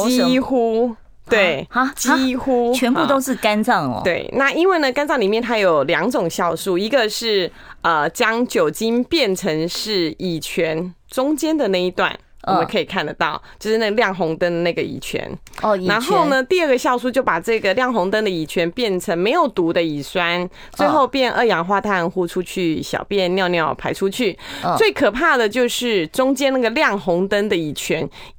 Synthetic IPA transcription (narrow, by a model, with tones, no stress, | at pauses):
ixu˦ | t̪we˥˩ɪt͡ɕi˥˦˥xu˦t͡ɕʰɛ˧npu˥˨˧t̪o˥ʊʂɻ̩˥˩ka˦˥nt͡sɑ˥˩ŋ̰t̪we˥˩ɪna˥˨i˥nwe˥˩ɪnə˩ka˥nt͡sɑ˥˩ŋli˨˩mjɛ˥˩nt̪ʰa˥jo˨˩ʊljɑ˧˥ŋʈ͡ʂʊ˨˩ŋɕjɑ˥˧ʊsu˥˩i˧˥ɡə˧ʂɻ̩˥˩ | ə˩t͡ɕjɑ˥ŋt͡ɕjo˨˩ʊt͡ɕi˦˥npjɛ˥˨˩nʈ͡ʂʰə˧˥ŋʂɻ̩˥˩i˨˩t͡ɕʰɥɛ˧˦˥n | ʈ͡ʂʊ˥ŋt͡ɕjɛ˥nd̪ə˨na˥˧i˧˥t̪wa̰˥˩n | wɔ˨mə̃˨˦kʰɤ˧˥i˨˩kʰa˥˩nd̪ə˩t̪ɑ˥˩ʊt͡ɕjo˥˧ʂɻ̩˥na˥˩ɡə˧ljɑ˥˩ŋxʊ˧˥ŋt̪ə˥ŋd̪ə˨na˥˩ɡə˩ḭ˨˩t͡ɕʰɥɛ̰˧˥na˨˧˦nxo˥˩ʊnə˨t̪i˥˧ə˥˩ɡə˩ɕjɑ˥˧ʊsu˥t͡ɕjo˥˩pa˨˩ʈ͡ʂɤ˥˩ɡə˩ljɑ˥˩ŋxʊ˧˥ŋt̪ə˥ŋd̪ə˨i˨˩t͡ɕʰɥɛ˧˥npjɛ˥˩nʈ͡ʂʰə˧˥ŋme˧˥ɪjo˨˩ʊt̪u˧˥d̪ə˧i˨˩swa˥n | t͡swe˥ɪxo˥˧ʊpjɛ˥˧˩nʔə˥˩jɑ˨˩ŋxwa˥˧t̪ʰa˥˧nxu˥˧ʈ͡ʂʰu˥t͡ɕʰy˥˩ɕjɑ̰˨˩ʊpjɛ˥˨njɑ˥˧ʊnjɑ˥˩ʊpʰa˧˥ɪʈ͡ʂʰu˥t͡ɕʰy˥˩we˥˩kʰɤ˨˩pʰa˥˩d̪ə˩t͡ɕjo˥˧ʊʂɻ̩˥˩ʈ͡ʂʊ˥ŋt͡ɕjɛ˥na˥˩ɡə˩ljɑ˥˩ŋxʊ˧˥ŋt̪ə˥ŋd̪ə˨i˨˩t͡ɕʰɥɛ˧˥n